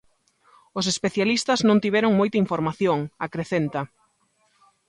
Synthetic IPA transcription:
os̬espeθjalist̪ɐznõnt̪iβ̞ɛɾʊŋmojt̪aiɱfoɾmaθjoŋakɾeθent̪ɐ

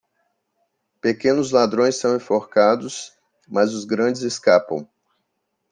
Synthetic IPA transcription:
pekẽnʊzlad̪ɾõj̃sːɐ̃w̃ẽfoɾkad̪ʊs | mɐzʊzɡɾɐ̃d͡ʒɪzeskapɐ̰̃w̃

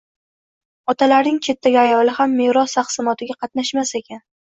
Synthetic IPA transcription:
ɒt̪ʰalaɾnɪŋt͡ʃʰe̞t̪ːaɡʲajɒlɪhamːeɾɒst̪ʰɑχsɪmɒt̪ʰɪɡʲaqʰɑt̪naʃmase̞kʲʰan

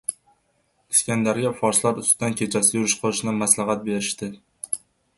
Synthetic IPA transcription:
ɪskʲand̪aɾɡʲafɒɾslaɾʊst̪ɪd̪ankʲʰe̞t͡ʃʰasɪjʊɾɪʃqʰɨlˠɪʃnɪmaslɑɦat̪̚be̞ɾɪʃt̪ɪ

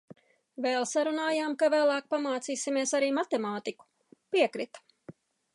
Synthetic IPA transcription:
vɛlˠsaɾunaːjaːmkavæːlˠaːk̚pamaːt̪siːsimiɛsaɾiːmat̪emaːt̪iku̥ | piɛkɾit̪ḁ

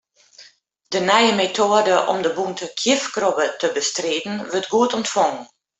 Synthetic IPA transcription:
dənɛjəmetʰoədəʔɔ̰mdəbuntʰəkʰjɪfkrobətəbəstreːdn̩ʋərtɡuətɔntfɔŋən

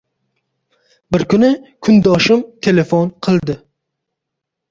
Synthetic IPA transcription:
bɪɾkʲʊnɪkʲʰʊnd̪ɒʃɪmt̪ʰelefonqʰɨlˠd̪ɪ

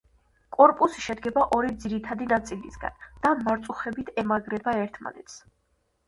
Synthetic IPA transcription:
kʼɔɾpʼusiʃɛd̪ɡɛbaʔɔɾid̪ziɾit̪ʰad̪inat̪sʼilisɡa̰nd̪̥amaɾt̪sʼuχɛbit̪ʰɛmaɡɾɛbaɛɾt̪ʰma̰nɛt̪s

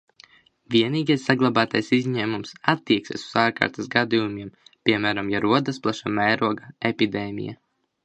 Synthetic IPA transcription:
ʋʲiɛniːɡajsːaɡlˠabaːt̪ajsizʲɲɛːmumsat̪ːiɛksʲḭsuz̥aːɾka̰ːɾt̪asɡad̪ijumʲiɛmpʲiɛmæːɾamjaɾuɔd̪asplˠaʃamæjɾuɔɡaepʲid̪ɛːmʲḭja̰

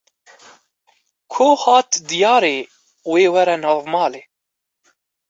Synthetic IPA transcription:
kʰoːhɑːt̪d̪ijɑːɾeː | weːwɛɾɛnɑːvmɑːleː

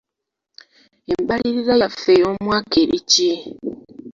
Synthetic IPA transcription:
embaliɾizajafejoːmwaːkeɾici

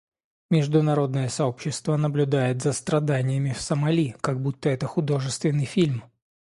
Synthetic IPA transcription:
mʲɪʐd̪ʊnɐɾo̞d̪nəjəsɐo̞pɕːɪst̪vənəblʲʊd̪ajɪt̪zəst̪ɾɐd̪anʲɪjəmʲɪfsəmɐlʲikaɡ̚but̪ːəɛt̪əxʊd̪o̞ʐɨst̪vʲɪnːɨjfʲilʲm

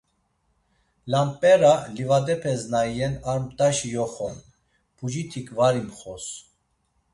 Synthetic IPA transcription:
lanpʼɛɾalivad̪ɛpʰɛznajɛnaɾmt̪ʼaʃijɔχɔn | pʰud͡ʒit̪ʰikʰʼvaɾimχɔs

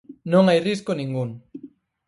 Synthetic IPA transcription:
nõŋajriskonĩŋɡuŋ

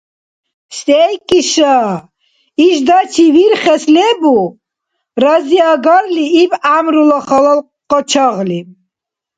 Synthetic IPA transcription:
sʼɛjkʼiʃa | iʃd̪at͡ʃʰiviɾχɛslɛbu | ɾaziaɡaɾliːbamɾulɔχɔlɔl | qʼɔt͡ʃʰaʁli

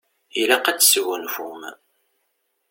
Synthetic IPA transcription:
ilæqæt͡sːswənfum

